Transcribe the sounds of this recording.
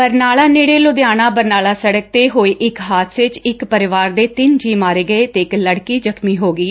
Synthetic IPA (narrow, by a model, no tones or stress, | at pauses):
pəɾnaːlaːneːɽeːlʊd̪jaːñãːbəɾnaːlaːsəɽək̚t̪eːɦoːeːʔɪkɦaːt̪ʰsʋɪt͡ʃɪkpəɾɪʋaːɾd̪eːt̪ɪnd͡ʒiːmaːɾeːɡəeːt̪eːɪkləɽkiːzəkʰmiːɦoːɡiː